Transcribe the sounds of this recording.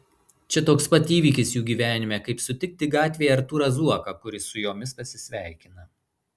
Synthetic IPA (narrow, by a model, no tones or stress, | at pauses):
t͡ʃʲɛt̪oːkspɐt̪ʲiːʋʲiːkʲɪsjuːɡʲiːʋʲæːnʲɪmʲɛkɐɪpsʊt̪ʲɪk̚ʲt̪ʲɪɡɑːt̪ʲʋʲeːjɛɐɾt̪uːɾɐzuɔkɐkʊɾʲɪsʊjoːmʲɪspɐsʲɪsʲʋʲæˑɪkʲɪnɐ